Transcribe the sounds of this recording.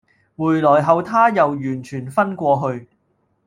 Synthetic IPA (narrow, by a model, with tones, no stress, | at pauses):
muː˨˩jlɔː˨˩jɦɐ˨˧wt̪ʰaː˥jɐ˨wjyː˨˩nt͡ʃʰyː˨˩nfɐ˥nkʷɔː˧ɦɵ˧ɥ